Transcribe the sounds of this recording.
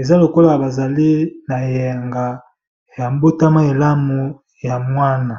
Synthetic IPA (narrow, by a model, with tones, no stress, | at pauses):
e˨za˦lo˨ko˦la˨ba˨za˨li˦na˨jɛ˨ŋɡa˨ | ja˨mbo˦ta˦ma˦e˨la˦mu˨ | ja˨mwa˦na˨